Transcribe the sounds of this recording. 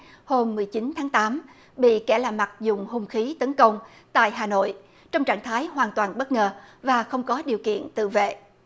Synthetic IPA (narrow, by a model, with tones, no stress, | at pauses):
ho˧mːɨ˨˩əjt͡ɕi˨˦nt̪ʰaː˨˦ŋt̪aː˨˦m | ɓḭ˧˨kɛ˧˩laː˨˩mːa˨˩t̚zʊ˨˩ŋ͡mhʊ˧ŋ͡mxi˨˦t̪ə˨˦nkə˧wŋ͡m | t̪a̰ː˧˨jɦaː˨˩no̰˧˨j | t͡ɕɔ˧wŋ͡mt͡ɕa̰ː˧˨ŋt̪ʰaː˨˦jɦwaː˨˩nt̪waː˨˩nɓə˦˥t̚ŋəː˨˩vaː˨˩xə˧wŋ͡mkɔ˨˦ɗi˨˩əwkḭ˧˨ənt̪ɨ̰˧˨vḛ˧˨